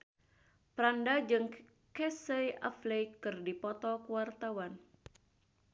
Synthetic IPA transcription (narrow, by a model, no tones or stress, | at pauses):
pɾandad͡ʒɨŋ | kɛseja̰flejkɨrdipɔt̪ɔkuwart̪awan